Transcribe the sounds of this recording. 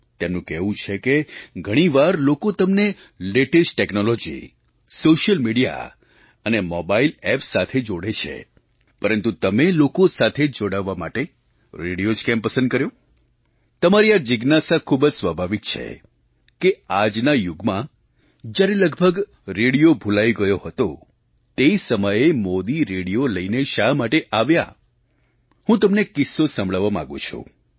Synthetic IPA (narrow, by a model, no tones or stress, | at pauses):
t̪emnũkɛʋũt͡ʃʰekeɡʱəɽ̃iʋaɾlokot̪əmne | leʈisʈʈɛknolɔd͡ʒḭ | soʃəlmiɽija̰ | ənemɔbailɛpsat̪ʰed͡ʒoɽet͡ʃʰḛ | pəɾənt̪ut̪əmelokosat̪ʰed͡ʒoɽaʋːama̰ʈe | ɾeɽijod͡ʒkɛmpəsə̃nd̪̚kəɾjo | t̪əmaɾijad͡ʒɪɡnasakʰubd͡ʒsʋəbʱaʋit̪̚t͡ʃʰḛ | kead͡ʒnajuɡmã | d͡ʒjaɾeləɡbʱəɡ | ɾeɽijobʱulaiɡəjohət̪o | t̪eisəməjemod̪iɾeɽijoləineʃamaʈeʔaʋja̰ | hũt̪əmnekɪsːosə̃mbɭəʋːamã̰ɡṵ̃t͡ʃʰṵ̃